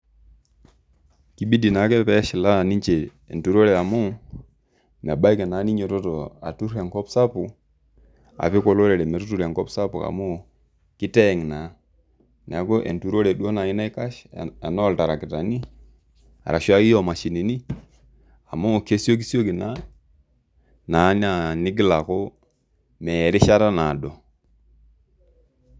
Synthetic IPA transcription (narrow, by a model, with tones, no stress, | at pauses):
ki˦bi˦di˨na˨˦kɛ˦pɛ˦ʃɪ˨la˦˨ni˦ɲt͡ʃḛː˨ | ntu˨ɾo˦ɾe˨a˨mo˦ | mɛ˨ba˦i˦kɛ˨na˨˦ni˦ɲo˨tɔ˦to˨a̰˨tu˦ɾɛ˨ŋkɔ˦psa˦pu˨ | a̰˨pi˦kɔ˦lo˦ɾɛ˨ɾɛ˨mɛ˨tu˦tu˨ɾe˨ŋkɔ˦psa˦pu˨a̰˨mo˦ | kɪ˦tɛ˦˨ŋ˨na˨˦ | n˨a˨ko˦ʔḛ˨ntu˨ɾo˦ɾe˨ɗu˦o˦na˨i˦na˦i˦ka˦ʃa˨nɔ˦˨lta˨ɾa˨ki˨ta˨ni˦ | a̰˨ɾa˨ʃwa˦ki˦jo˦˨ma˨ʃi˨ni˨ni˦ | a˨mo˦˨ke˦so˦k̬i˦sjo˦ki˨na˨˦ | na˨˦na˨ni˦ɡi˦la˨ko˦ | me˨ɾi˦ʃa˦ɾa˦na˨do˨